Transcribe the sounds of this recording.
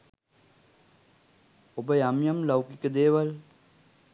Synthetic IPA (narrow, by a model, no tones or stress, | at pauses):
obəjamjɐmlɐwkikəd̪eːʋɐl